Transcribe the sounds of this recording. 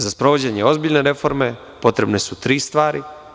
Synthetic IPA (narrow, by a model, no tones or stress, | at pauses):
zaspɾo̞ʋod͡ʑeɲeo̞zbiʎneɾe̞fo̞ɾme̞ | po̞t̪ɾe̞bnesut̪ɾiːst̪ʋaːɾi